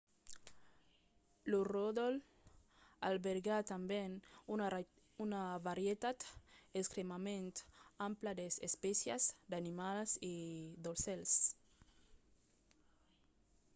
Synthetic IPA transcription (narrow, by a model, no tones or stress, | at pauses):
luroðol | albeɾɡat̪ambɛnu | unavaɾjet̪at̪eskɾemamẽnt̪amplad̪esḛspɛsjazd̪animalsid̪olsɛls